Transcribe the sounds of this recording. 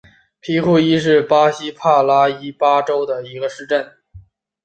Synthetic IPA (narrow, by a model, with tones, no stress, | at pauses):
pʰi˧˥kʰu˥˩i˥ʂ̬ɻ̩˥˩pa˥ɕi˥pʰa˥˩la˥i˥pa˥ʈ͡ʂo˥ʊd̪ə˨i˧˥ɡə˧ʂɻ̩˥˧ʈ͡ʂə˥˩n